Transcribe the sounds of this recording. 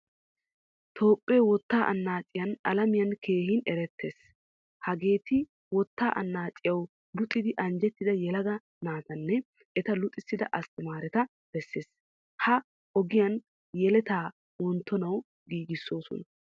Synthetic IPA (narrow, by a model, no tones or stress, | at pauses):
t̪ʰo̞ːpʼːeːwɔt̪ːaːʔɐ̰nːaːt͡ʃʼːɪjɐnɐlɐmɪjɐnkʰe̞ːɦɪnɛɾɛt̪ːe̞ːs | hɐɡe̞ːt̪ɪ | wɔt̪ːaːʔɐ̰nːaːt͡ʃʼɪjɐw | lʊt̪ʼːɪd̪ɪʔɐnd͡ʒɛt̪ːɪd̪ɐjɛlɐɡ̪ɐ | naːt̪ɐnːɛ | ɛt̪ɐlʊt̪ʼɪsːɪd̪ɐ̰ʔɐst̪ɪmaːɾɛt̪ɐ | b̥ɛsːe̞ːs | hɐ | ɔɡɪjɐn | jɛlɛt̪aː | wɔnt̪ʰːɔnɐw | ɡiːɡɪsːo̞ːsɔ̰nɐ